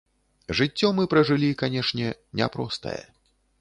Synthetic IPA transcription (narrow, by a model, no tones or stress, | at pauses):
ʐɨt͡sʲːɔmɨpɾɐʐɨlʲikanʲɛʂnʲɛnʲɛ̰pɾɔst̪ɐ̰jɛ̰